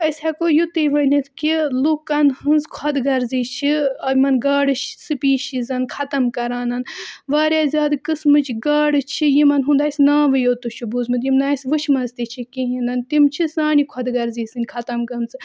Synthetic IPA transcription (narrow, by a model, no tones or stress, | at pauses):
ɐsʲhɛkojut̪ɨjʋɐnit̪ʰkilukːɐnhɨnzkʰwɐd̪ɡɐɾzit͡ʃʰiɐmɐnɡaːɽɨʃsɨpiːʃizɐnkʰɐt̪ɐmkɐɾaːnɐnʋaːɾjaːzʲaːd̪kɨsmɨt͡ʃʰɡaːɽɨt͡ʃʰijimɐnɦũnd̪aːjsʲnaːʋɨjoːt̪uʃʰubuzmɨt̪jimnaːsʋɨʃʰmɐnzt̪it͡ʃʰikiɦĩnɐnt̪imt͡ʃʰisãːnikʰɐd̪ɡɐɾziːsɨnʲkʰɐt̪ɐmɡɐmt͡sɨ